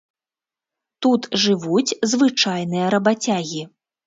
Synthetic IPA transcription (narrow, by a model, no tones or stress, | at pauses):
t̪ut̪ʐɨvut͡sʲzvɨt͡ʂajnɨjɐɾɐbat͡sʲaɣʲi